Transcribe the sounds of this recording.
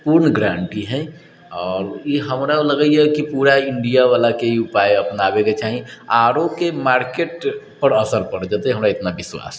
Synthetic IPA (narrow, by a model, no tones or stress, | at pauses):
puɾnəɡɾaɳʈiɦɛ̃ | ɔɾiɦəmɾaləɡəjekipuɾaiɳɖijaβalakeiupajəpnabeket͡ʃaɦiaɾokemaɾkeʈ̚ | pəɾəsəlpəɾd͡ʒət̪ɛɦəmɾaet̪nabiswa̰s